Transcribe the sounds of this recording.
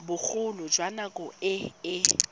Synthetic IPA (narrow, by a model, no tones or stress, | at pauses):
bʊk͡xʰʊlʊd͡ʒwanakʼʊɪɪ